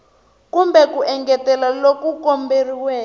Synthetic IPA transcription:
kumbɛkuʔɛŋɡɛtɛlalokukɔmberiwɛː

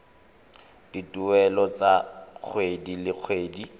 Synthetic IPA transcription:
d̥itʼuɛlɔt͡sak͡xʰwedilɪk͡xʰweːdi

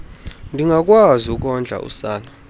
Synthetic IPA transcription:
ndʱiŋɡʱak̬ʼwaziuk̬ʼɔnd͡ɮʱa̰ʔṵsaːna

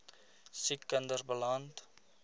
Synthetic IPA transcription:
sikːəndərbəlant

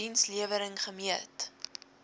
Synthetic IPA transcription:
insliəvəɾəŋχəmiət

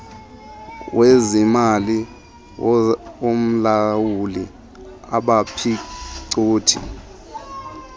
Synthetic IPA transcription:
wʔezimali | om̩lawuli | a̰ɓapʰiǀuːtʰḭ

